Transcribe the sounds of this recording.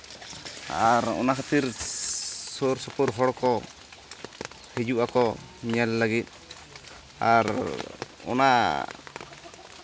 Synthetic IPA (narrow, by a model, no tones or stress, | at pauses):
a̰ɾɔ̰nakʰat̪iɾ | sɔɾsɔpɔɾɦɔɽkɔ | hɛd͡ʒuʔakɔ | ɲɛlːaɡit̪̚ˀ | aɾ | ɔ̰na